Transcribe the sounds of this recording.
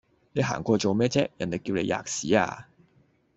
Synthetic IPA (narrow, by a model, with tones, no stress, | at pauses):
ne˨˧jɦa̰ː˨˩ŋkʷɔː˧t͡so˨wmɛː˥t͡sɛː˥k̚jɐ˨˩nle˨jkiː˧wle˨˧jʔa̰ː˨k̚siː˨˥a̰ː˧